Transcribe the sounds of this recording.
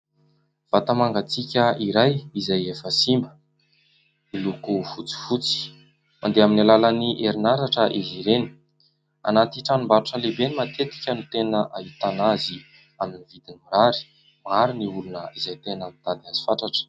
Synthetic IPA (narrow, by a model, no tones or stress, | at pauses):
v̥at̪amaŋɡat͡sikʲəiɾajizajefəsimbə | milukufut͡si̥fut͡si̥ | mʔa̰nd̪eaminalalaniʔeɾinaɾaʈ͡ʂəʔiziɾeni̥ | a̰nat̪iʈ͡ʂanimbaɾuʈ͡ʂəlebenimat̪et̪i̥kʲənut̪enəʔaɦit̪anazi | aminivid̪inimiɾaɾi̥ | maɾiniulunəizajt̪enət̪ad̪iazi̥faʈ͡ʂaʈ͡ʂə̥